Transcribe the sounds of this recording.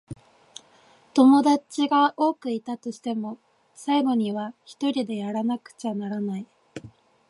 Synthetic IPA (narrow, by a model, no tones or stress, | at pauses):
t̪o̞mo̞d̪at͡ɕiɡaʔo̞ːkɯ̟it̪at̪o̞ɕi̥t̪e̞mo̞ | saiɡo̞ɲ̟iβ̞açi̥t̪o̞ɾʲid̪e̞jaɾanakɯ̟̥t͡ɕanaɾanai